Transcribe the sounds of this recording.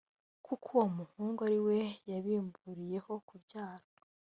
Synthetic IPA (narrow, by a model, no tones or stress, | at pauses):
kukʰuwomuhuːŋɡaɾiwe̞jaβiːmbuɾije̞ho̞kubjaːɾo